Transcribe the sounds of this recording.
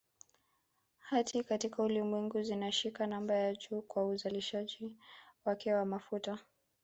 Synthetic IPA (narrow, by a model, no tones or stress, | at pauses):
hatʰikatikaulimwɛŋɡuzinaʃikanambajaʄuːkwauzaliʃaʄiwakɛwamafuta